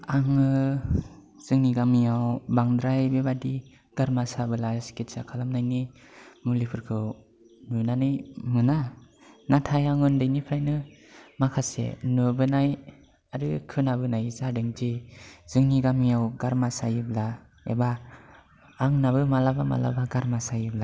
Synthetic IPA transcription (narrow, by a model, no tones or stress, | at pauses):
aŋɯ | z̥ɯŋniɡamijawbaŋdɾajbebadi | ɡ̥aɾmasabɯlasketsakʰalamnajni | mulipʰɯɾkʰɯw | nunanɯjmɯnanatʰajaŋɯndɯjnipʰɾajnɯmakʰasḛnɯbɯnaj | aɾɯkʰɯnabɯnajzadɯŋd͡ʒiz̥ɯŋniɡamijawɡaɾmasajɯbla | ḛbaː | ŋnabɯmalabama̰la̰baɡaɾmasajɯbla